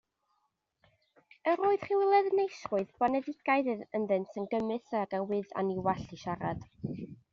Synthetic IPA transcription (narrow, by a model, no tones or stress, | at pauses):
əɾoːɨð̥χiwɪlˠɛðənejsrʊɨðb̥ɔnɛðɪɡ̥aɨðənðɨnsənɡəmɨsaɡawɪða̰niwaɬiʃaɾad̥